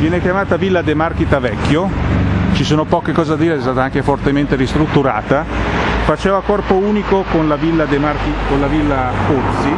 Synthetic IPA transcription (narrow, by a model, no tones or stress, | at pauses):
vjɛːnekjamaːt̪avilːad̪emarkit̪avɛkːjot͡ʃisoːnopɔːkekɔːzead̪ːiːɾeɛst̪aːt̪aaŋk̟efort̪ement̪eɾist̪ɾut̪ːuɾa̰ːt̪afat͡ʃeːvakɔrpouːnikokonlavilːad̪emarkikolavilːakort̪si